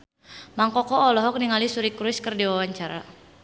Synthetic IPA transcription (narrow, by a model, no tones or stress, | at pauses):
maŋkɔkɔːlɔɦɔk̚niŋalisuɾikɾuʊɪskərdiwawaɲt͡ʃaɾa̰